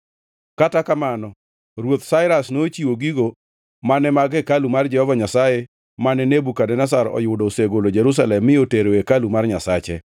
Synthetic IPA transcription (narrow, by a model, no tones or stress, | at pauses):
katakamanɔ | ɾwot̪saɪɾasnot͡ʃiwoɡiɡo | manɛmaɡɛkalumard͡ʒɛhɔvaɲasaje | manɛnebukadɛnas̬aɾɔ̰jʊdɔseɡolod͡ʒeɾus̬alɛmːɪjoteɾoekalumarɲasat͡ʃɛ̰